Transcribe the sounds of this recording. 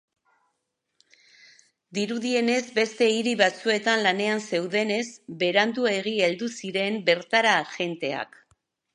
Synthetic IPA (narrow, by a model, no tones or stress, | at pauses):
d̪iɾuðie̞ne̞zbe̞st̪e̞iɾiβat͡sue̞t̪anlane̞anse̞wðe̞ne̞zbe̞ɾand̪ue̞ɣ̞ield̪usiɾe̞mbe̞ɾt̪aɾaʝe̞nt̪e̞a̰k